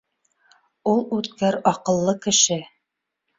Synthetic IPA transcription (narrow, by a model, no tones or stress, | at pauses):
ulˠʉt̪kæɾɒqɤ̆lˠːɤkɘ̆ʃɘ